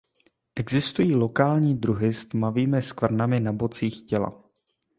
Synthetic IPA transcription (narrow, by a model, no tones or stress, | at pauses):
ʔɛɡzɪst̪ujiːlo̞kaːlɲiːd̪ɾuɦɪst̪maviːmɪskvr̩namɪnabo̞t͡siːxcɛla̰